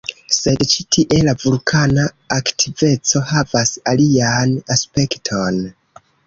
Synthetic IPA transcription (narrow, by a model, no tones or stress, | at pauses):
se̞dt͡ʃitʰiʔe̞lavulkʰanaː | ktʰive̞t͡so̞havasalianaspe̞ktʰo̞n